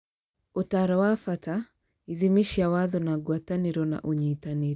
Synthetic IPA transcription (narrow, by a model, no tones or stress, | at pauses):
otaɾawafata | iðimiʃiawaðɔnaɡwataniɾɔna̰ʔuɲitaniɾi